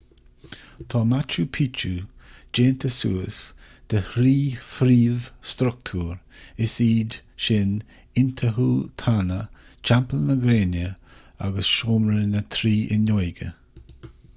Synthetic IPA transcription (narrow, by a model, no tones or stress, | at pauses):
t̪ʰɑːmat͡ʃupʰiːt͡ʃud͡ʒeːnt̪ʰəsuːəs | d̪̥əhɾiːfɾiːvst̪ɾʊk̚t̪ʰuːɾɪsiːdʃɪn | ɪnt̪ʰəɦuːt̪ʰanət͡ʃampəlnəɡɾeːnə | a̰ɡəsʃoːmɾənət̪ʰɾiːʔɪnɔjɡə̰